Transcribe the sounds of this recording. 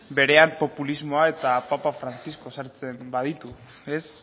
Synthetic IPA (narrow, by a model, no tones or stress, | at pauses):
be̞ɾe̞ampo̞pulizmo̞ae̞t̪apapafɾant͡sisko̞saɾt͡se̞mbað̞it̪u | es